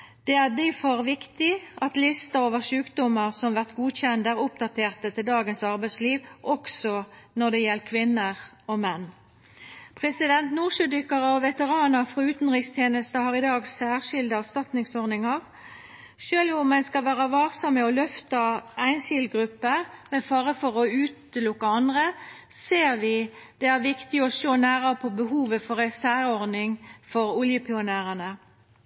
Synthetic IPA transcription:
d̪̥ɛæʁd̪ɪfɔʁʋɪkt̪ɪʔɑt̪lɪst̪əoːʋəʁʂʉːkd̪ɔməʁsɔmʋæʁt̪ɡuːçɛnd̪æʁʊpd̪ɑt̪ʰeːʁt̪ət̪ʰɪld̪ɑːɡənsɑʁbæɪd̪sliːʋʔɔksɔnɔd̪ɛjɛlːkʰʋɪnːəʁɔmɛnː | pʰʁɛsɪd̪ɛnt̪nuːʁʂʉd̪ʏkːɑʁəɔʋɛt̪əʁɑːnəʁfʁɔʉːt̪n̩ʁɪkst̪ʰjeːnəst̪əhɑʁɪd̪ɑːɡsæːʁʂɪld̪əɑst̪ɑt̪nɪŋsɔʁnɪŋɑʁ | ʃøːlʊmːɛnskɑlʋæːʁɑʋɑːksɔmːɛɔlœft̪ɑæɪnʃɪlɡɾʉpːəʁmɛfɑːʁəfɔʁɔʉːt̪lʊkːəɑnd̪ʁəseːʁʋɪd̪̥ɛæʁʋɪkt̪ɪɔʃoːnæːʁəpʰɔbəɦuːʋəfɔʁɛsæːʁɔʁdnɪŋfɔɾʊljəpʰɪʊnæːʁənə

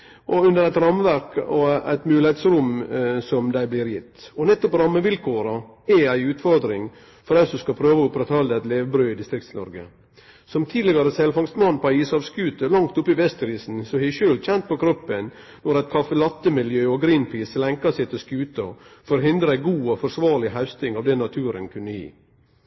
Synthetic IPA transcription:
ʔɔʉnd̪əɾæɪt̪ɾɑmʋæɾkɔæ̰ɪt̪mʉːlɪheɪt̪sɾʊmsɔmd̪æɪblɪːɾjɪt̪ːɔnɛt̪ːɔpɾɑmːəʋɪlkʰoːɾɑ | ɛæɪʉːt̪fɔɾd̪ɾɪŋ | fɔɾæɪsɔskɑpʰɾøːʋəʊpɾɛt̪ɑld̪əɛt̪leːʋbɾøːɪd̪ɪst̪ɾɪk̚t̪snɔ̰ɾɡə̰ | sɔmt̪ʰiːd̪lɪɡɑɾəsɛlfɑŋst̪mɑnpʰɑiːsɑʋskʉːt̪əlɑŋt̪ʊpːɪʋɛst̪ɾiːsn̩sɔhɪʃøːlc͡çɛnt̪̚pʰɔkʰɾɔpːən | nɔɾæɪt̪̚kʰɑfəlɑt̪ːəmɪljøːɔɡɾiːnpʰiːslɛŋkɑsæɪt̪ʰɪlskʉːt̪əfɔɾɦɪnd̪ɾəæɪɡuːɔfɔɾsʋɑːɾlɪhɑʉst̪ɪŋɑʋd̪ɛnɑt̪ʰʉːɾə̰nkʰʉnːəjḭː

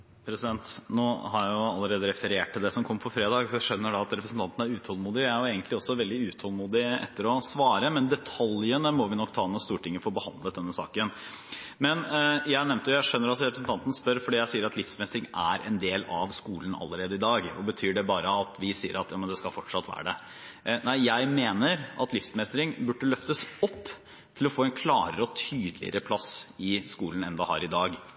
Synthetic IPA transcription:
pʰɾɛsɪd̪ɛnt̪noːhɑɾjæjʊɑlːəɾeːd̪əɾɛfəɾeːʈ̚ʈ̪ʰːɪld̪ɛsɔmkʰɔmːəpʰɔfɾeːd̪ɑːɡsɔjæɪʂœnːəɖɑɑt̪ɾɛpɾəsn̩t̪ʰɑnt̪ən̩æɾʉːt̪ʰɔlmuːd̪ɪæjʊeːɡənt̪ʰlɪɔsːɔʋɛld̪ɪʉːt̪ʰɔlˠmuːd̪ɪɛ̰t̪ːəɾɔsʋɑːɾəmɛnd̪ɛt̪ʰɑljənəmɔʋɪnɔkːt̪ʰɑːnɔːst̪uːʈʰɪŋːəfɔɾbəhɑnd̪lət̪̚d̪ɛnːəsɑ̰ːkən | mɛnjæɪnɛmnt̪əjʊjæɪʂœnːəɾɑt̪ɾɛpɾəsn̩t̪ɑnt̪n̩spœɾfɔɖiːjæɪsiːəɾɑt̪lɪfsmɛst̪ɾɪŋæɾɛ̰nd̪eːlɑʋskuːlənɑ̰lːəɾeːd̪əɪd̪ɑːɡɔbət̪ʰyːɖɛbɑːɾəɑt̪ʰʋɪsiːə̰ɾɑt̪jɑːmənd̪ɛskɑlfɔʈʂɑt̪ːʋæ̰ːɖɛ | næɪjæɪmeːnəɾʔɑt̪lɪfsmɛst̪ɾɪŋbʉɖːəlœft̪əsɔpː | tʰɪlɔfoːɛnkʰlɑːɾəɾəɔt̪ʰyːd̪lɪ̰ə̰ɾəpʰlɑsɪskuːlən̩ɛnd̪əhɑ̰ːɾɪd̪ɑːɡ

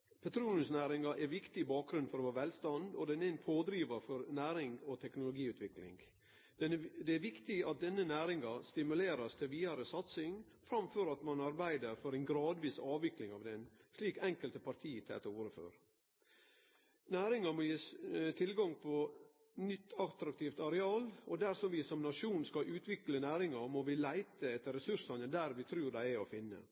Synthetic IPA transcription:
pʰɛt̪ʰɾuːnənsnæːɾɪŋɑʔɛɾʋɪkt̪ɪbɑːk̚ɡɾʉnfɔɾɔhɑːʋɛlst̪ɑnd̪ɔd̪ɛnɛɪnpʰoːd̪ɾiːʋɑfɔɾnæːɾɪŋɡɔt̪ʰɛknʊlʊɡiːʉːt̪ʰʋɪklɪ̰ŋɡ̪ | d̪ɛæɾʋɪkt̪ɪɑt̪̚d̪ɛnːənæːɾɪŋɑst̪ɪmʉleːɾɑst̪ʰɪlʋiːɑɾəsɑt̪sɪŋ | fɾɑmfœɾɑt̪mɑnɑɾbæɪd̪əɾfɔɾæɪnɡɾɑːd̪ʋiːsɑːʋʋɪklɪŋɑʋd̪ɛnsliːkɛŋkəlt̪əpɑɾt̪ʰiːt̪ʰɛ̰ːt̪əuːɾəfø̰ːɾ | næːɾɪŋɑmɔjeːt̪ʰɪlɡɑŋpʰɔ | nʏt̪ːɑkt̪ɾɑk̚t̪ʰiːft̪ɑɾɛɑːlɔd̪æɾsɔmʋɪsɔmnɑʂuːnskɑʔʉːt̪ʋɪklənæːɾɪŋɑmɔʋɪlæɪt̪əɛt̪ːəɾɛsʉʂɑnənd̪æɾʋɪt̪ʰɾʉːɾd̪æɪæɔfɪnːə̰

